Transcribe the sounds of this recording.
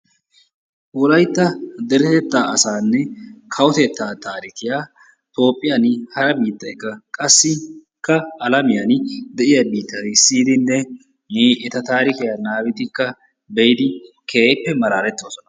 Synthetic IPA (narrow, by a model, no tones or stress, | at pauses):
ʔwlɐjt̪ːɐd̪ɛɾɛt̪ɛt̪ːaːʔɐsaːnːɛkʰɐwɔt̪ɛt̪ːaːt̪aːɾɪkɪja | t̪o̞ːpʼːɪjɐnhɐɾɐbiːt̪ːɐkːɐkʼɐsːɪ | kːɐːlɐmɪjɐnɪd̪ɛʔɪjɐbiːt̪ːɐɪsiːd̪ɪnːɛ | ʔɛt̪ɐt̪aːɾɪkɪjanaːbɪt̪ɪkːɐ | bɛjd̪ɪ | kʰeːpːɛmɐlaːɾɛt̪ːoːsɔnɐ̥